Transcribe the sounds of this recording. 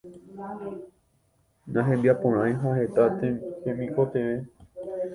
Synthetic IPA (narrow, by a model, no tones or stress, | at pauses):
nãɦẽbjapõɾ̃ãj̃ɦahet̪at̪ehẽmĩkot̪eʋe